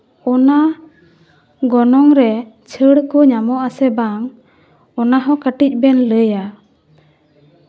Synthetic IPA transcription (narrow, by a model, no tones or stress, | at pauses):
ɔna | ɡɔnɔŋɾɛ | t͡ʃʰəɽkɔɲamɔʔasɛbaŋ | ɔnaɦɔ̃kəʈic̚ˀbɛnləja